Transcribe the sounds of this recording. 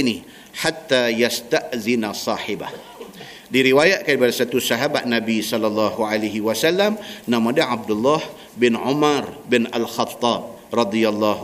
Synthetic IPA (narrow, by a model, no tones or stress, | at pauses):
ni | ħat̪ːaːjast̪aʔzɪnasˤɑːħɪba̰h | diɾiwajaʔkabaɾasat̪usaɦabaʔnːabisˤɑlːɑlˤːɑːhʕalajhɪwasalːamnamadaʕab̚d̪ʊlˤːɑːh | bɪnʕʊmaɾbɪnʔalxɑt̪ˤːɑːb̚ | rˤɑd̪ˤɨjalˤːɑːh